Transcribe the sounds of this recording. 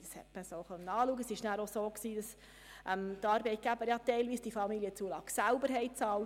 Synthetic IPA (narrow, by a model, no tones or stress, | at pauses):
ɑshɛ̰tməsoχœnːəɑːluːəɡəsɪʃnæːɾosoːksiːd̥ɑs | ʔɛmt̪ɑːɾbɛɪt̚ɡ̥æbəɾjɑt̪ɛɪlʋiːsd̥ifɑmilijət͡suəlɑɡ̥sælbəɾɦɛɪt͡sɑːl